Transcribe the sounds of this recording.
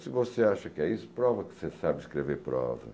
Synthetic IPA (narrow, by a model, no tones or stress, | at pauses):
sɨvoseaʃɐkɛisʊ̥pɾɔvɐksesabɪʃkɾeveɾpɾɔ̰vɐ̰